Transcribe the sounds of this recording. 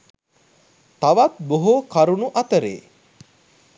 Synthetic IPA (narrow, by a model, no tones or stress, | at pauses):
t̪aʋat̪̚boɦokaɾunuʔɐt̪əɾḛː